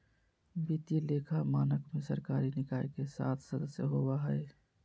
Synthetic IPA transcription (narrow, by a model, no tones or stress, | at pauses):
bit̪ilekʰamaːnəkmesəɾkaɾinɪkaːekesa̰t̪ʰsəd̪əsjəɦobaɦəe